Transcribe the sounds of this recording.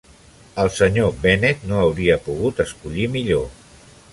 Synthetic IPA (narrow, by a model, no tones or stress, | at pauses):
əlˠsəɲobɛnet̪noəwɾiəpuɣ̞ut̪əskuʎimiʎo